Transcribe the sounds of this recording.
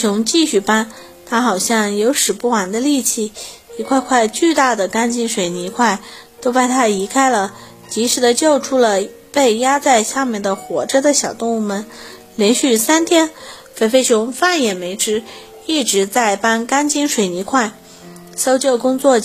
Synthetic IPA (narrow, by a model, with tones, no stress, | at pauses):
jʊ˧˥ŋt͡ɕi˥˧ɕy˥˩pa˥n | t̪ʰa˥xɑ˨˩ʊɕjɑ˥˩ŋjo˧˥ʊʂɻ̩˨˩pu˥˩wa˨˩nd̪ə˧li˥˧t͡ɕʰi˥˩i˧˥kʰwa˥˧ɪkʰwa˥˧ɪt͡ɕy˥˧t̪a˥˩d̪ə˩ka˥nt͡ɕi˥nʂwe˨˩ɪni˧˥kʰwa˥˩ɪ | t̪o˥ʊpa˥˩nt̪ʰa˥i˧˥kʰa˥ɪlə˨ | t͡ɕi˧˥ʂɻ̩˧˥d̪ə˧t͡ɕjo˥˩ʊʈ͡ʂʰu˥lə˨ | pe˥˩ɪja˥t͡sa˥˧ɪɕja˥˧mjɛ˥˩nd̪ə˩xwɔ˧˥ʈ͡ʂə˥˧d̪ə˨ɕjɑ˨˩ʊt̪ʊ˥˧ŋu˥˩mə˨˩n | ljɛ˧˥nɕy˥˩sa˥nt̪ʰjɛ˥n | fe˥ɪfe˥˩ɪt͡ɕʰʊ˧˥ŋfa˥˩njɛ˨˩me˧˥ɪʈ͡ʂɻ̩˥ | i˥˩ʈ͡ʂɻ̩˧˥t͡sa˥˩ɪpa˥nka˥nt͡ɕi˥nʂwe˨˩ɪni˧˥kʰwa˥˩ɪ | so˥ʊt͡ɕjo˥˩ʊkʊ˥ŋt͡swɔ˥˩